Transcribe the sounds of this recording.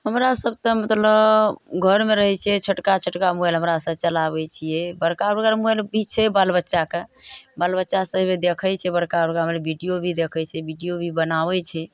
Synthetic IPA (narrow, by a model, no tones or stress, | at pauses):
həmɾasəb̚t̪ə̃mət̪ləbɡʱəɾmeɾəɦɛt͡ʃʰɛt͡ʃʰəʈkat͡ʃʰəʈkamuɛlɦəmɾasəbt͡ʃəlaβɛt͡ʃʰijɛbəɾkabɾɡaɾmuɛlbʱit͡ʃʰɛbalbətːʃakebalbətːʃasəɦbed̪ekʰəjt͡ʃʰɛbəɾkabɾkaɦəmɾebʱiɖijobʱid̪ekʰət͡ʃʰɛbiɖijobʱibənabɛt͡ʃʰɛ